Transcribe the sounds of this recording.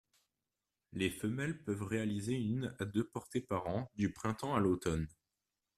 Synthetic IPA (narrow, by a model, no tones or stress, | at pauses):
lefəmɛlpœvʁealizeynad̪øpɔʁt̪epaʁɑ̃d̪ypχɛ̃t̪ɑ̃alot̪ɔn